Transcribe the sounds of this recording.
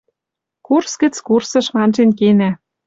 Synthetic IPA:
kurskə̆t͡skursɤ̆ʃmɑnʒenkenæ

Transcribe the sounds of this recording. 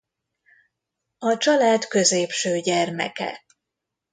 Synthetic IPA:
ɒt͡ʃɒlaːt̪kø̞zeːpʃøːɟɛrmɛ̰kɛ̰

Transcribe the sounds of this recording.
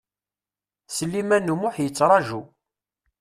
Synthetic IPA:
səlːimænːumʊħjət͡sːɾˤɑʒu

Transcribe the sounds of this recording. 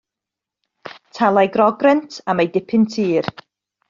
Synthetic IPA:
tʰalˠajɡrɔɡrɛntʰamejdɪpʰɪntʰiːr

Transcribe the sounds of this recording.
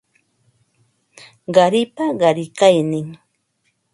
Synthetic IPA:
ɢɑɾɪpaɢɑɾɪkajnɪŋ

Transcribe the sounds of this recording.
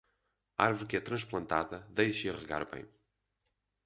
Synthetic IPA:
aɾvuɾkɛt̪ɾɐ̃ʃplˠɐ̃nt̪aðɐðejʃɐʁɨɣa̰ɾβɐ̰̃j̃

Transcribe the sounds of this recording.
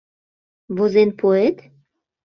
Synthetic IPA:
βozenpʰoet̪

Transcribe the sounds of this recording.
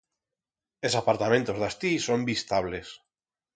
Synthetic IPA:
esapaɾt̪amẽnt̪ozðast̪isombist̪aβles

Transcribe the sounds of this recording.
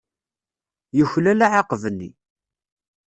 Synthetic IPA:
jəçlælaʕaqvənːḭ

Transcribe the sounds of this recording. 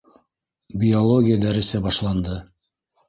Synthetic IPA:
bʲiolˠoɡʲɪjəd̪æɾɘ̆sæbɑʃlˠɑnd̪ɤ

